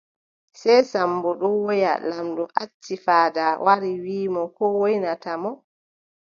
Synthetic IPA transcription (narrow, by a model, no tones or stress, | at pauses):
sɛjsambɔɗɔwɔja̰lamɗɔʔa̰t͡ʃːifaːdawʔaɾiwiːmɔkɔwojnatamɔ